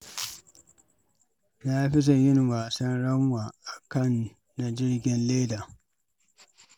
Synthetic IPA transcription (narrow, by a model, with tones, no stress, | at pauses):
naː˦ɸɪ˦s̬ɐ˨ɲjɪ˦n˨waː˨sɐ˦nɽɐ˦mwaː˨ʔa˨kɐ˦˨nː | a˨d͡ʒɪ˦rɡʲɛ˨nleː˦daː˨